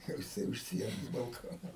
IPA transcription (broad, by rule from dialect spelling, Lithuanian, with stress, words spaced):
ˈjɛʊ jɪˈsɐɪ ʊʃ ˈsʲiɛnoːs bɐlˠˈkoːnɐs